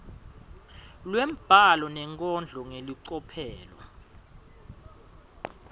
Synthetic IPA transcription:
lwem̩b̥ʱalɔnɛŋkʼɔnd͡ɮʱɔŋeliǀɔpʰɛːlwa̰

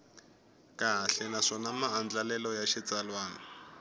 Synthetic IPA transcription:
kaɦaɬɛnaʂɔnamaand͡ɮalɛlɔjaʃit͡salwaːnɔ

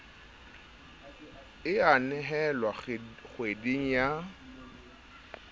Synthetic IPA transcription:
ɪanɛɦɛlwaχwediŋ̩ja

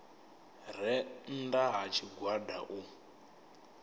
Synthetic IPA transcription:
r̤ɛn̩daɦat͡ʃʰiɡwada̰ʔu

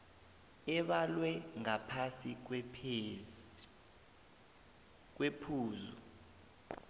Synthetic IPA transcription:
ɛɓalwɛŋapʰasik̬w | k̬wepʰuːzṵ

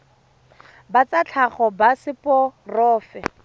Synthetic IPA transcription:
bat͡sat͡ɬʰaχɔbasɪpɔrɔːfɛ

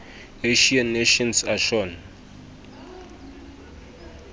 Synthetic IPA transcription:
eʃianːeʃɔnsaʃɔn

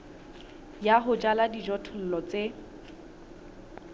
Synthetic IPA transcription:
jaɦʊd͡ʒaladid͡ʒɔtʰʊl̩lɔt͡se

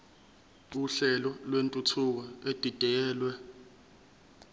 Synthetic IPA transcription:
uɬɛlɔlwentʼutʰuk̬ɔed̥ʱid̥ʱɛːlwɛ

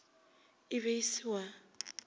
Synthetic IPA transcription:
ɪβeisiwa

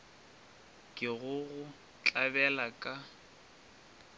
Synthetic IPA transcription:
kʼɪɣʊɣʊ | t͡ɬʼabɛlakʼa

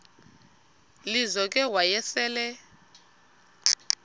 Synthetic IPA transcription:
lizɔkʼɛwajɛsɛːlɛ

